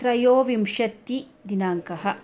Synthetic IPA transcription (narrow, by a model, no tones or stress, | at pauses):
ɾɐjoːʋimʃɐt̪ːi | d̪inaːŋkɐɦɐ̆